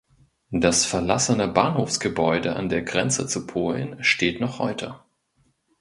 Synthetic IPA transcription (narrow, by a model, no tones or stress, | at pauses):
d̥asfɛɐlasənəbaːnhoːfsɡ̥əbɔʏdəʔa̰ndeːɐɡʁɛnt͡sət͡supʰoːlnʃteːtnɔχhɔ̰ʏtʰə